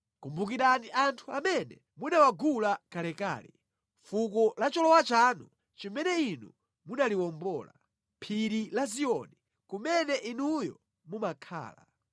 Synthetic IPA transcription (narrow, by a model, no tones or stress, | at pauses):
kumbukiɾaniʔantʰuamɛnɛ | munawaɡulakalɛka̰ːlɛ | fukɔlat͡ʃɔlɔwat͡ʃaːnu | t͡ʃimɛnɛinṵ | munaliwɔmbɔːla̰ | pʰiɾilazijɔni | kumɛnɛʔinujɔ̰ | mumakʰa̰ːla̰